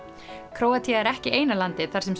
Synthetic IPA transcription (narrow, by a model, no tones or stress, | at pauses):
kʰɾoːwat̪ʰiaɛɾɛhcɪʔeːjnalant̪ɪθaɾ̥sɛms